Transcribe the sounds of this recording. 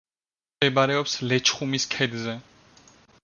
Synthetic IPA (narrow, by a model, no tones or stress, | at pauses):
ɛbaɾɛɔpslɛt͡ʃʰχumiskʰɛd̪zɛ